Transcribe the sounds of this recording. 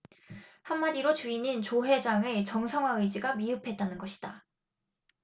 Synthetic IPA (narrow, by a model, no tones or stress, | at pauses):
hanːaɾiɾot͡ɕuinint͡ɕoɦe̞d͡ʑaŋe̞t͡ɕʌŋsʰʌŋɦwaɯjd͡ʑiɡamiɯpʰe̞t̚t͈anɯnɡʌɕʰi̥d̥a